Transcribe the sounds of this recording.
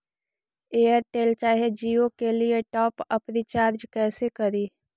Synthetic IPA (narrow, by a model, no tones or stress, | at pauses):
eːəɾt̪eːlt͡ʃaːɦed͡ʒiːokelieʈɔːpəpnit͡ʃaːɾd͡ʒkɛːsekɐɾiː